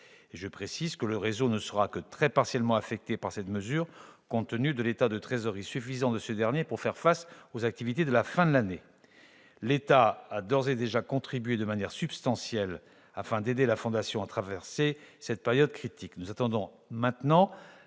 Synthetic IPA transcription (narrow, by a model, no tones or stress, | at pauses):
eʒəpχesizkələʁezonəsəʁakət̪χɛpaʁsjɛlmɑ̃afɛk̚t̪epaʁsɛt̪məzyʁkɔ̃t̪ənyd̪əlet̪ad̪ət̪χezɔʁisyfizɑ̃d̪əsəd̪ɛʁnjepuʁfɛʁfasozak̚t̪ivit̪ed̪əlafɛ̃d̪əlane | let̪aad̪ɔʁzed̪eʒakɔ̃t̪χibɥed̪əmanjɛʁsybst̪ɑ̃sjɛl | a̰fɛ̃d̪ed̪elafɔ̃d̪asjɔ̃at̪χavɛʁsesɛt̪̚pɛʁjɔd̪kχit̪iknuzat̪ɑ̃d̪ɔ̃ | mɛ̃t̪nɑ̃